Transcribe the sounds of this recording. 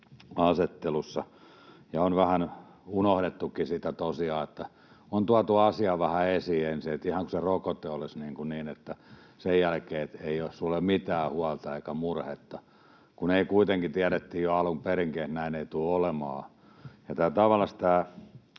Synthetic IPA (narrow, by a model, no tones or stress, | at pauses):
ɑset̪ːelusːɑ | jɑonʋæhæn | unohɾet̪ːukːisit̪æt̪osiɑːet̪ːæ | ont̪uɑt̪uɑsiɑʋæhæesiensiet̪ihɑŋkuserokot̪ːeolisniːŋkuniːnet̪ːæ | sejjælkeːet̪eiossulːemmit̪æːhuɑlt̪ɑeikæmurhet̪ːɑ | kuneikuit̪eŋkit̪iæɾet̪ːiːjjoɑlokperiŋkehnæineit̪uːolemɑ̰ː | jɑt̪æːt̪ɑʋɑlːɑst̪æː